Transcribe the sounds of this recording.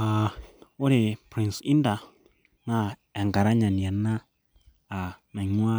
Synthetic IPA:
a˨o˦ɾe˨pɾi˨nsi˦nda˧ | nã˦ɛ˨ŋɡa˨ɾa˦ɲã˨ni˨a˨nã˦ | a˨nã˨ɲwa˦

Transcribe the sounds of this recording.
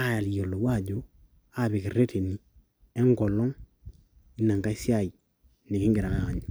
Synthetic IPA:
a˦˨ja˨ljo˨lo˨wa˦˨ɟo˦ | a˦bi˨ki˨ɾe˦tʰe˨ni˨ | e˦ŋɡɔ˨lɔ˦ŋ | i˦na˨ŋka˦i˦si˦a˨i˨ | ni˨ki˦ŋɡi˨ɾa˨ŋaː˦˨ɲu˨

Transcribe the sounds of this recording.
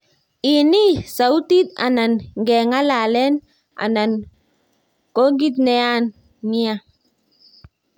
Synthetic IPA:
i˨ni˦sa˨u˦t̪i˦t̪a̰˨na˨nŋɡe˨ŋa˦la˨lɛ˦n | ʔa̰˨na˨n | ko˦ɡi˦t̪̚nɛ˨a˦nː | i˦a˦

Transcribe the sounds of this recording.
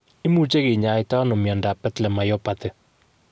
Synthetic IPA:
ɪ˦mu˦t͡ʃe˦ɣe˨ɲa˨˦ɪ˦ta˦nɔ˨mja˨nda˨pɛ˦tlɛ˨ma˨jɔ˦patɛ˨

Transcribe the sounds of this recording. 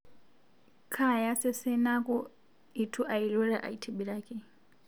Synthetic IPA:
kʰa˦ja˦sɛ˦sɛ˦na˦kɔ˦ | itʰu˦ʔa˨iɺɔ˦ɺa˦ʔa̰˨itʰiɓiɺaːke

